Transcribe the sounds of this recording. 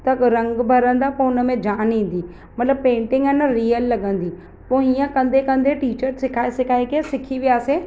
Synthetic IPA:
t̪ɐkɾɐ̃ŋɡbʱɐɾə̃nd̪apoʊnəmẽd͡ʒaːnĩːn̆d̪iː | mɐt̪ləb̚pẽːɳʈɪ̃ŋɡənəɾiːjəlːɐɠə̃nd̪iː | poːijə̃kɐ̃nd̪ʱekɐ̃nd̪ʱeʈiːt͡ʃəɾsɪkʰaːesɪkʰaːekesɪkʰiʋijaːse

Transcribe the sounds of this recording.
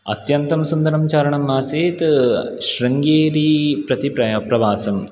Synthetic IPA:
ɐ̰t̪jɐnt̪ɐmsund̪ɐɾɐmt͡ʃaːɾɐɳɐmːaːseːt̪ʃɾɐŋɡeːɾipɾɐt̪ipɾɐɐpɾɐʋaːsɐm

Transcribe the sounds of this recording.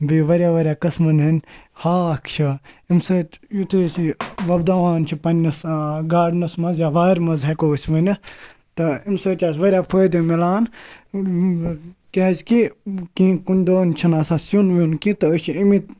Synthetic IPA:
biʋɐɾʲaːʋɐɾʲjaːkɐsmɐnɦɐnʲhaːkʰt͡ʃʰɐ | imsɐːt̪jut̪ʰusiʋɐbd̪aʋaːnt͡ʃʰipɐnʲːɐsɡaːɖnɐsmɐzjaʋaːiɾmɐzɦɐkoːsʲʋɐnʲɐ | t̪ɐimsɐːt̪ʲjaːsʋɐɾʲaːfʰɐjd̪ɐmilaːn | keɐzʲkikĩːkunʲd̪oːnʲt͡ʃʰinaːsaːsunʋunkit̪ɐəʃiimit̪

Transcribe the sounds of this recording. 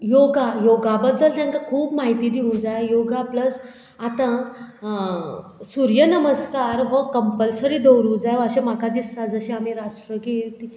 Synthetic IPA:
joɡajoɡabəd̪ːəlt̪jãŋkakʰuːpmaɦit̪iːd̪iũd͡zajjoɡapləs | at̪ã | suɾjənəməskaɾɦɔkəmpəlsəɾiːd̪owɾũd͡zajəɕemakad̪ist̪ad͡zəɕiamiɾaʂʈɾəɡelt̪i

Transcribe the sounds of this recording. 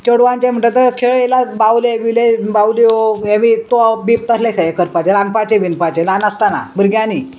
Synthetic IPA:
t͡ɕəɽʋãnt͡ɕẽm̤əʈət̪əɾkʰeɭelabawleʋilebawlioeʋit̪obip̚t̪əslekʰajekəɾpat͡ɕeɾanpat͡ɕẽʋinpat͡ɕelanast̪ana̰bəɾɡjani

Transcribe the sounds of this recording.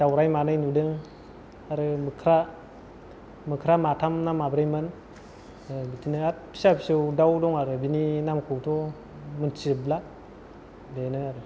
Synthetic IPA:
d͡ʒawɾajmanɯjnudɯŋ | aɾɯmɯkʰɾa | mɯkʰɾamatʰamnamabɾajmɯn | bitʰinɯat̚pʰi̥sapʰi̥sɯwdawdɔŋaɾɯbininamkʰuwtʰɔ | mɯnt͡ʃibla | denɯaɾɯ

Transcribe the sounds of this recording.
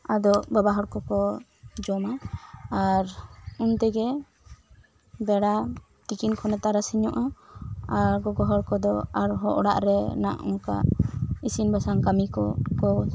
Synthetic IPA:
ad̪ɔʔbabaɦɔɽkɔkɔ | d͡ʒɔmaaɾunt̪ɛɡɛ | bɛɽa | t̪ikinkʰɔnɛt̪aɾasiɲɔʔaaɾɡɔɡɔɦɔɽkɔd̪ɔaɾɦɔʔɔɽaʔɾɛna̰ʔṵŋka̰ʔisinbasaŋkamikɔkɔ

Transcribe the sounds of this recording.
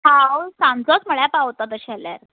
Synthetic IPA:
hawsãmd͡zɔt͡sməɭjapawt̪at̪əɕɛlḛɾ

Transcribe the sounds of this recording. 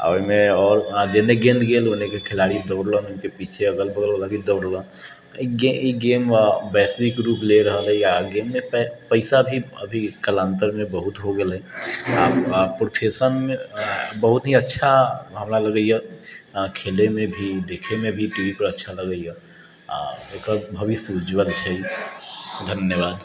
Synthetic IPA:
ə̰mẽɔːɾd͡ʒeneɡẽːnd̪ɡeːlʊnẽkekʰɪlaːɽid̪ɔːɽlənʊnkepiːt͡ʃʰeəɡəlbəɡəlbəlabʱid̪ɔːɽlə̃ | ɡeiɡeːmbɛːswɪkɾuːpʰleɾəɦəlɦɛjaɡeːmːẽpəɪsabʱiə̰bʱikəlãːnt̪əɾmẽbəɦʊt̪ɦoɡəlɛ̃apɾopʰesənmẽbəɦʊt̪ɦiətːʃʰaɦəmɾaləɡəijɛ | kʰeːlemẽbʱid̪eːkʰemẽbʱiʈiʋipəɾətːʃʰaləɡəijɛ | ekəbʱəʋisud͡ʒbəd̪t͡ʃʰəi | d̪ʱənjəʋaːd̪

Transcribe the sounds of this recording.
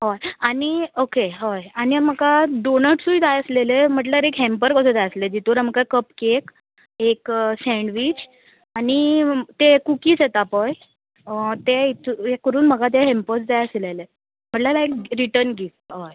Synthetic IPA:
ɦojaniokeɦojanim̤əɡaɖonəʈsũːd͡zajəslelem̤əʈ̬ləɾekɦɛmpəɾkəsəd͡zajəsled͡ʑit̪uːɾamkakəpkek | eksɛ̃ɳɖʋit͡ɕ | anit̪ekukiːt͡set̪apəj | t̪eit̪ʰkəɾuːnm̤əɡat̪̬eɦempət͡sd͡zajəslele | m̤əʈlalajkɾiʈəɾnɡifʈɦoj

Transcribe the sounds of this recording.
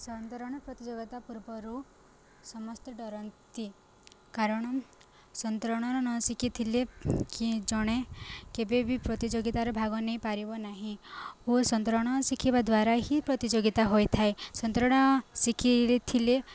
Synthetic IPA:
sɔnt̪ɔɾɔɽ̃ɔpɾɔt̪id͡ʒoɡit̪apuɾbɔɾu | sɔmɔst̪ɔɖɔɾɔnt̪i | kaɾɔɽ̃ɔ | sɔnt̪ɾɔɽ̃ɔɾɔnɔsikʰit̪ʰilekid͡ʒɔɽ̃ekebebʱipɾɔt̪id͡ʒoɡit̪aɾɔbʱaɡɔnejpaɾibɔnaɦĩosɔnt̪ɾɔɽ̃ɔsikʰibad̪waɾaɦipɾɔt̪id͡ʒoɡit̪aɦojt̪ʰaesɔnt̪ɾɔɽ̃ɔsikʰit̪ʰile

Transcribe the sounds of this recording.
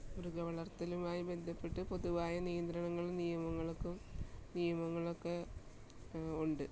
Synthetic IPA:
oɾuɡɐʋɐɭɐrt̪ːɐlumaːjibe̞nd̪ʱɐpːeʈːɨpo̞ðuʋaːjɐnijɐnd̪ɾɐɳɐŋːɐɭnijɐmɐŋːɐɭokːumnijɐmɐŋːɐɭokːe | uɳɖɨ

